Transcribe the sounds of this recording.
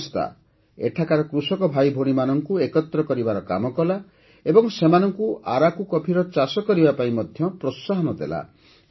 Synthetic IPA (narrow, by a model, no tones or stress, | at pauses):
st̪a̰ | ḛʈʰakaɾɔkɾusɔkɔbʱajbʱoɽ̃imanɔŋkuekɔt̪ɾɔkɔɾibaɾɔka̰mɔkɔla | ebɔŋsemanɔŋkuʔaɾakukɔpʰiɾɔt͡ʃasɔkɔɾibapaĩmɔd̪ʱjɔpɾɔsːaɦɔnɔd̪ḛla̰